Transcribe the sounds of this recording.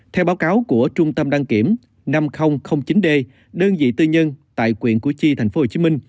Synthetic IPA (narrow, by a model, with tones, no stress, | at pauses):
t̪ʰɛ˧wɓaː˨˦wkaː˨˦wku˧˩ət͡ɕʊ˧ŋ͡mt̪ə˧mɗaː˧ŋki˧˩əm | na˧mxə˧wŋ͡mxə˧wŋ͡mt͡ɕi˨˦nɗe˧ | ɗəː˧nzḭ˧˨t̪ɨ˧ɲə˧nt̪a̰ː˧˨jkwḭ˧˨ənku˧˩ət͡ɕi˧t̪ʰa˨˩jŋ̟fo˦ho˨˩t͡ɕi˨˦mï˧ŋ̟